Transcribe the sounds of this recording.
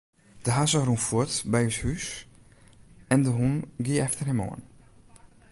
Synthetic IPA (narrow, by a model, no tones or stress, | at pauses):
d̥əɦasərunfuətbɛjəshys | ɛndəɦunɡiəɛftərɛmɔ̰ːn